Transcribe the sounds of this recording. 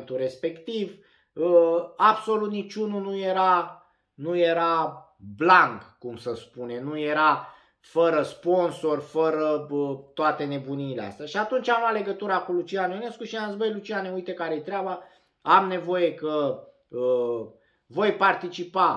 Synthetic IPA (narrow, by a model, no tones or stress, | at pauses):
nt̪uɾe̞spe̞kt̪iv | əabso̞lut̪̚nit͡ʃʲununuje̞ɾa | nujeɾa | blaŋɡkumsəspune̞nuje̞ɾa | fəɾəspo̞nso̞rfəɾəət̪oat̪e̞ne̞buniːlea̰st̪eaʃiat̪unt͡ʃamlat̪le̞ɡət̪uɾakulut͡ʃianjone̞skuʃiaəzbo̞jlut͡ʃianeujt̪ekaɾejt̪ɾeaba | amne̞vo̞je̞kə | ə | vo̞jpart̪it͡ʃipa